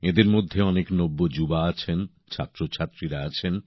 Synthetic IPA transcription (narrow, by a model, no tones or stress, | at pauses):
ed̪eɾmod̪ʱːeɔneknobːod͡ʑubaat͡ɕʰen | t͡ɕʰa̰t̪ːɾot͡ɕʰat̪ːɾiɾaat͡ɕʰen